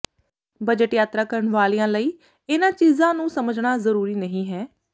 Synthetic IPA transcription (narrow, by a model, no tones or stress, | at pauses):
bəd͡ʒəʈjaːt̪ɾaːkəɾəɳʋaːliːãːləiː | ɪnãːt͡ʃiːzãːnũːsəməd͡ʒɳaːzəɾuːɾiːnəɦĩːɦɛː